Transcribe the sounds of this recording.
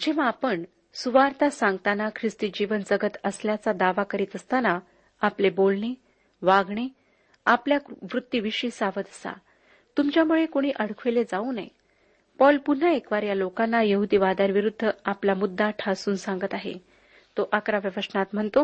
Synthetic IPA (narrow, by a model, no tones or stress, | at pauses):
d͡ʑeʋ̤ãːpəɳ | suʋaɾt̪asãŋɡ̚t̪anakʰɾist̪iːd͡ʑiʋənd͡zəɡət̪əsljat͡sad̪aʋakəɾiːt̪əst̪ana | aplebolɳe | ʋaɡɳe | apljaʋɾut̪ːiʋiɕiːsaʋəd̪əsa̰ | t̪umt͡ɕjamuɭekoɽ̃iːʔəɽ̤kʰʋeled͡zauna̰j | pɔlpun̤aekʋaɾjalokanːajəɦud̪iːʋad̪anʋiɾud̪ʱːəaplamud̪ʱːaʈʰasuːnsãŋɡət̪aɦḛ | t̪oʔakɾaʋjəʋəsɳat̪m̤əɳt̪o